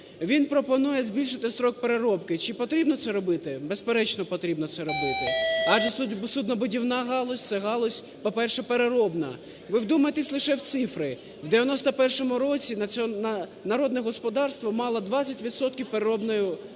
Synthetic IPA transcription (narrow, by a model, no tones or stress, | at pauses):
ʋʲinpɾɔpɔnujɛzʲbʲilʲʃɪt̪ɪst̪ɾɔk̚peɾeɾɔpkɪt͡ʃɪpɔt̪ɾʲibnɔt̪sɛɾɔbɪt̪ɪbespeɾɛt͡ʃnɔpɔt̪ɾʲibnɔt̪sɛɾɔbɪt̪ɪɑʒɛssud̪nɔbʊdʲiwnɑɦɑlˠɔsʲt̪sɛɦɑlˠɔsʲ | pɔpɛrʃɛpeɾeɾɔbnɐ | ʋɪwd̪umɐjet̪esʲlˠɪʃɛwt̪sɪfɾɪ | wd̪eʋʲjɐnɔst̪ɐpɛrʃɔmʊɾɔt͡sʲinɐ | nɐɾɔd̪nɛɦɔspɔd̪ɑrst̪ʋɔmɑlˠɐd̪ʋɑt͡sʲːɐtʲʋʲit̪sɔt̪kʲiwpeɾeɾɔbnɔjʊ